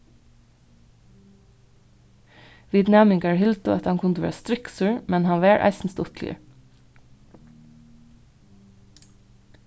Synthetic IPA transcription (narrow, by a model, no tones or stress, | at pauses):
ʋiːd̪næmɪŋɡæːɹhɪlt̪ʊʔɛt̪hɑŋkʰʊnd̪ʋḛːst̪ɾɪksʉːɹmɛnhɑnʋæːɹʔæ̰ɪsn̩st̪ʊt̪ʰlə̰